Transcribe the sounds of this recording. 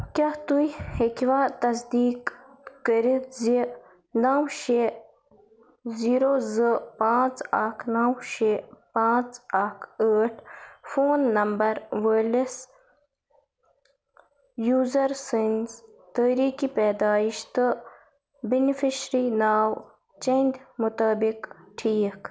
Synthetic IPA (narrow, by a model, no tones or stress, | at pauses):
kʲat̪ujhekʋat̪ɐsd̪iːk | kəɾit̪zi | naːwʃe | ziːɾozəpãːt͡sakʰnawʃepãːt͡sakʰəːʈʰfoːnːɐmbɐɾwəlis | juːzɐɾsinz | t̪əːɾiːkipeːd̪aːiʃt̪ə | binifiʃɾinaːw | t͡ʃend̪mut̪aːbikʈʰiːk